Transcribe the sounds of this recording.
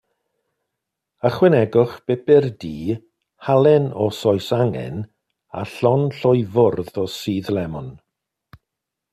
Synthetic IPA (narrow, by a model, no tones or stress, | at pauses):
əχwɛnɛɡʊχb̥ɛbɛrdiː | halˠɛnɔsɔjsaŋɛ̰n | a̰ɬɔnɬɔjvʊrðɔsiːðlɛmɔn